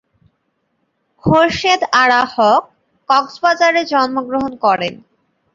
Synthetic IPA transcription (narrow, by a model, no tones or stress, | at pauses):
hoɾʃed̪aɽahɔkː | ɔksbad͡ʑaɾed͡ʑɔnmoɡɾoɦonkɔɾen